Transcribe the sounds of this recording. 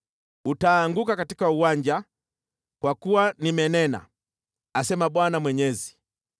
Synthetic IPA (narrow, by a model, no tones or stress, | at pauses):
utaːŋɡukakatikauwaɲd͡ʒa | kwakuwanimɛnɛna̰ | asɛmaɓwanamwɛɲɛzi